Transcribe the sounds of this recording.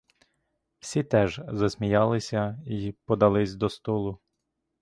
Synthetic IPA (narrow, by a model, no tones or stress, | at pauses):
w̥sʲit̪ɛʒzɐsʲmʲijɑlˠɪsʲɐipɔd̪ɐlˠɪsʲd̪ɔst̪ɔlˠʊ